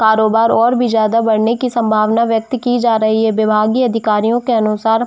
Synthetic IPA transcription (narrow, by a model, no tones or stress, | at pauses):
kaːɾoːbaːɾɔːɾbʱizjaːd̪abɐɽ̤nekisɐ̃mbʱaːʋnaʋjɐk̚t̪kid͡ʒaːɾɐɦiɦɛʋɪbʱaːɡiɐd̪ʱɪkaːɾijõkeɐnʊsaːɾ